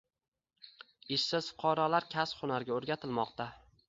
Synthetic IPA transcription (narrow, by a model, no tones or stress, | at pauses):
ɪʃsɪz̥fʊ̥qʰɒɾɒlaɾkʲʰasχʊnaɾɡʲaoɾɡʲat̪ʰɪlmɒqt̪ʰa